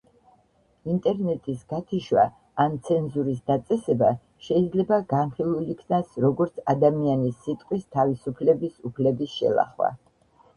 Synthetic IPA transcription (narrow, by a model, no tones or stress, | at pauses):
int̪ʼɛɾnɛt̪ʼisɡ̥at̪ʰiʃwaː | nt̪sʰɛnzuɾisd̪at̪sʼɛsɛba | ʃɛid̪zlɛbaɡanχilˠulikʰnasɾɔɡɔɾt̪sʰad̪amianisːit̪ʼqʼwist̪ʰavisupʰlɛbisupʰlɛbisʃɛ̰lˠa̰χwa̰